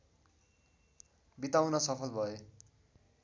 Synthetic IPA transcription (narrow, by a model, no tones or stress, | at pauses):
bit̪awnʌsʌpʰʌlbʱʌe